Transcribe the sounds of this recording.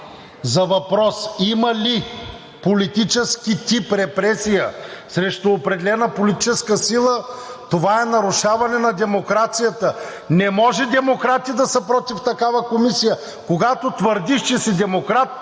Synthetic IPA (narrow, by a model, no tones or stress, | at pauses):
zɐvɐpɾɔsimɐli | polit̪it͡ʃɛskit̪ipɾɛpɾɛsijəsɾɛʃt̪oːpɾɛd̪ɛlɛnəpolit̪i̥t͡ʃɛskəsilˠət̪ovaɛnɐɾuʃavɐnɛnɐd̪ɛmokɾat̪sijət̪ə | nɛmɔʒɛd̪ɛmokɾat̪id̪ɐsəpɾɔt̪ift̪ɐkavɐkomisijə | koɡat̪ot̪vəɾd̪iʃt͡ʃɛsɛd̪ɛmokɾat̪̚